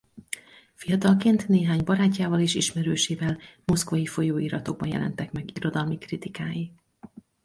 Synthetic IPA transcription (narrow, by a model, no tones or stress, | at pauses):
fijɒt̪ɒlkeːnt̪neːɦaːɲbɒɾaːcːaːvɒliʃiʃmɛɾøːʃeːvɛlmo̞skvɒjifo̞joːiɾɒt̪o̞ɡ̚bɒnjɛ̰lɛ̰nt̪ɛkmɛɡiɾo̞d̪ɒlmikrit̪ikaːji